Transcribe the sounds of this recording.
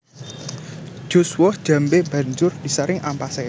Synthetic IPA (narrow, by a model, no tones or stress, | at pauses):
d͡ʒ̥o̤swɔhd̥ʒ̥a̤mbemba̤ɲd͡ʒʊrd̥i̤saɾɪŋʔampase